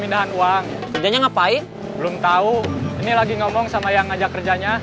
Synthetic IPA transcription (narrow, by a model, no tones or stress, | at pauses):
mindaɦanuaŋkərd͡ʒaɲaŋapai | bəlʊmt̪auinilaɡiŋɔmɔŋsamajaŋːad͡ʒakːərd͡ʒaɲa